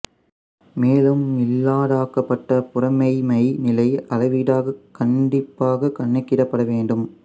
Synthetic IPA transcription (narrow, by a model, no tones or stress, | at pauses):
meːlɯmːɪlːaːɽaːkɐpːɐʈːɐpʊrɐmɐɪmɐɪnɪlɐɪɐlɐʋiːɽaːɣɐkɐɳɖɪpːaːɣɐkɐɳːɪkːɪɾɐpːɐɽɐʋeːɳɖɯm